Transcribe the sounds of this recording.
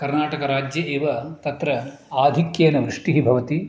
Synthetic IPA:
kɐɾnaːʈɐkɐɾaːd͡ʒjɐʔeːʋɐt̪ɐt̪ɾɐ | aːd̪ʱikjeːnɐʋɾuʂʈiɦibʱɐʋɐt̪i

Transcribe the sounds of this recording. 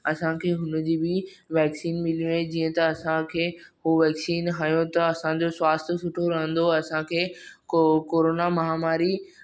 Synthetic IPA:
ɐsãkʰeːɦʊnd͡ʑiːbɪʋɛːksiːnmɪlijũẽd͡ʑiːə̃t̪ɐɐsãkʰeːɦuʋɛːksiːnɦaːjõt̪ɐɐsãd͡ʑoswaːst̪ʰsʊʈʰoɾɐɦə̃nd̪oɐsãkʰeːkokoːɾoːnamɐɦaːmaːɾi

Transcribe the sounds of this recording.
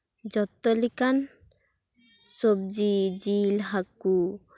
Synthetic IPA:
d͡ʒɔt̪ːɔlikan | sob̚d͡ʒid͡ʒilɦaku

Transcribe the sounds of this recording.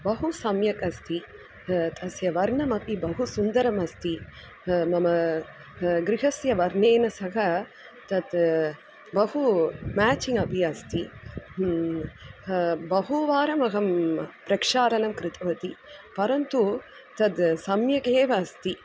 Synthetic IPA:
bɐɦusɐmjɐkɐst̪i | t̪ʰɐsjɐʋɐɾɳɐmɐpibɐɦusund̪ɐɾɐmɐst̪i | mɐmɐ | ɡɾiɦɐsjɐʋɐɾneːnɐsɐɦɐ | t̪ɐt̪ | bɐhumaːt͡ʃiŋɡɐbʱiɐst̪i | bɐɦuʋaːɾɐmɐɡɐmpɾɐkʂaːɾɐlɐmkɾɪt̪ɐʋɐt̪ipɐɾɐnt̪u | t̪ɐd̪sɐmjɐkeːʋɐɐst̪i

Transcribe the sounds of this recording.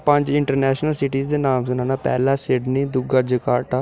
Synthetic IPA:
pəɲd͡ʒɪɳʈəɾnɛːʃnəlsɪʈiːzd̪eːnaːmsənãːnaːpɛ̰ːlãːsɪɖniːd̪ʊɡaːd͡ʒəkaːʈaː

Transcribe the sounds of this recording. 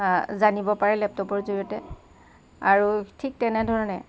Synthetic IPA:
zanibɔpaɹɛlɛp̚tɔpɔɹzoɹiɔtɛ | aɹutʰik̚tɛnɛdʱɔɹɔnɛ

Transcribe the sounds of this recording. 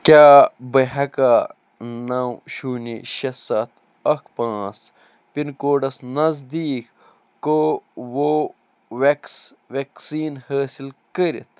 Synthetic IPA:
kʲaːbɐɦɐkaː | nɐwɕuːnḭʃɐsɐt̪ʰ | ɐkpãːs | pinkoːɖɐsnɐzd̪iːkː | owo | weksʋeksiːnhəːsilkəɾḭt̪ʰ

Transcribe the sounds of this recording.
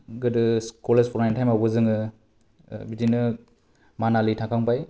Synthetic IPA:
ɡɯdɯskɔlespʰɔɾajntʰajmawbɯzɯŋɯ | bitinɯ | manalitʰakʰaŋpaj

